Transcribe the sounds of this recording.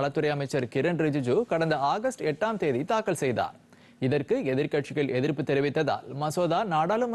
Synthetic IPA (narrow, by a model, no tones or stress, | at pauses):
ɭɐt̪ːɯɾɐjɐmɐɪt͡ʃːɐɾkɪɾɐnɾɪd͡ʒɪd͡ʒuːkɐɽɐnd̪ɐaːɣɐsʈɛʈːaːmt̪eːðit̪aːkːɐlsɛjða̰ːɾ | ɪðɐrkɯɛðɪɾkɐʈt͡ʃɪɣɐɭʔɛðɪɾpːɯt̪ːɛɾɪʋɪt̪ːɐða̰ːlmɐsoːðaːnaːɽaːlɯm